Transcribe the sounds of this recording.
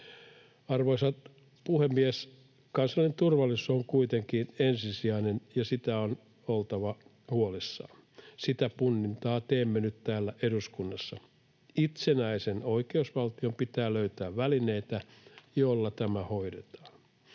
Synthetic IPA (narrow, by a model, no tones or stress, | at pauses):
ɑrʋoisɑt̪ | puhemːies | kɑnsɑint̪urʋɑlːisˑuoŋkuit̪eŋkiːnensisiɑinenjɑsit̪æon | olt̪ɑʋɑ | huolisːɑ̰ː | sit̪æpunːint̪ɑːt̪eːmːenyt̪t̪æːlːæʔeɾuskunːɑsːɑ | it̪senæiseno̞ikeusʋɑlt̪iompit̪æːløyt̪æːʋʋæline̞it̪æjolːɑt̪æmæhoidet̪ɑ̥ːn